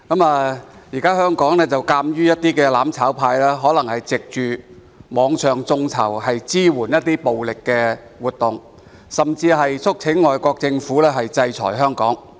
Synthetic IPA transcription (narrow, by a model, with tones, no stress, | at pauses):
kɐ˨˥maː˨˧jiː˨˩kaː˥hœː˥ŋkɔː˨˥ŋlɛː˥t͡sɐ˨wkaː˧mjyː˥jɐ˥t̚t̪iː˥kɛː˧laː˨˥mt͡sʰaː˨˥wpʰaː˧jlɛː˥ɦɔː˨˥lɐ˨˩ŋhɐ˨jt͡sɪ˨k̚t͡ʃyː˨ | mɔː˨˧ŋsʰœː˨˩ŋt͡sʊ˧ŋt͡sʰɐ̰˨˩whɐ˨jt͡siː˥wuː˨˩njɐ˥t̚t̪iː˥po˨wlɪ˨kːɛː˧ | wuː˨t̚t̪ʊ˨ŋ | sɐ˨mt͡siː˧ɦɐ˨jt͡sʰʊ˥k̚t͡sʰɪ˨˥ŋːɔː˨jkɔː˧k̚t͡sɪ˧ŋfuː˨˥lɛː˥ɦɐ˨jt͡sɐ˧jt͡sʰɔ̰ː˨˩jɦœː˥ŋkɔː˨˥ŋ